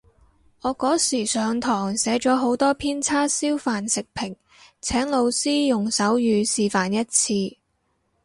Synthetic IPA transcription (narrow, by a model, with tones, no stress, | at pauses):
ɔː˨˧kɔː˨˥siː˨˩sœː˨˧ŋt̪ʰɔː˨˩ŋsɛː˨˥t͡ʃɔː˨˥ɦo˨˥wt̪ɔː˥pʰiː˥nt͡sʰaː˥siː˥wfaː˨nsɪ˨k̚pʰɪ˨˩ŋ | t͡sʰɛː˨˥ŋlo˨˧wsiː˥jʊ˨ŋsɐ˨˥wjyː˨˧siː˨˧faː˨njɐ˥t̚t͡sʰiː˧